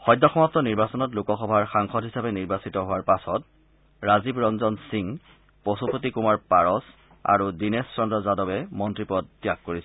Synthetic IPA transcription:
xɔjdːɔxɔmap̚tɔniɹbasɔnɔtlukɔxɔbʱaɹxaŋxɔdɦisapɛniɹbasitɔɦʊwaɹpasɔt | ɹazibɹɔnzɔnsiŋ | posupotikumaɹpaɹɔs | a̰ɹudinɛsːɔndɹɔzadɔbɛmɔntɹipɔtːijakkoɹisɛ

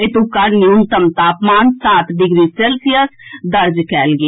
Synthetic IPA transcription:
et̪ukɐɾnijunt̪əmt̪aːpmaːnsaːt̪ɖɪɡɾiːseːlsijəsd̪əɾd͡ʒkɛːlɡiː

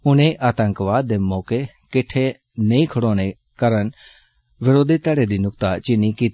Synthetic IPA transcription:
ʊnẽʔaːt̪ə̃ŋkʋaːd̪ːeːmɔːke | kɪʈʰːe | nɐĩkʰəɽoːñe | kəɾən | ʋɪɾoːd̪ʱit̪ɛːɽed̪inʊkt̪at͡ʃɪnːikiːt̪ː

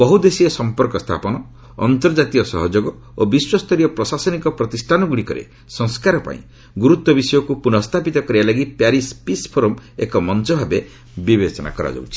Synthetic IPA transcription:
bɔɦud̪esiesɔmpɔɾkɔst̪ʰa̰pɔnɔ | ɔ̰nt̪ɔɾd͡ʒat̪iɔsɔ̰ɦɔd͡ʒoɡɔ | obiswɔst̪ʰɔɾijɔpɾɔsasɔnikɔpɾɔt̪isʈʰanɔɡuɽikɔɾḛ | sɔŋskaɾɔpa̰ḭ̃ | ɡuɾut̪wɔbisɔjɔkupunɔst̪ʰapit̪ɔkɔɾibalaɡipjaɾispispʰoɾɔmḛkɔmɔnt͡ʃɔbʱabe | bibet͡ʃɔna̰kɔɾa̰d͡ʒɔ̰wt͡ʃʰi̥

